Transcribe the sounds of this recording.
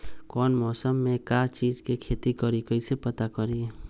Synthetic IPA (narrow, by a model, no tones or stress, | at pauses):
kɔːnmɔːsəmːẽkat͡ʃiːd͡ʒkekʰeːt̪ikəɾikəisepət̪akəɾi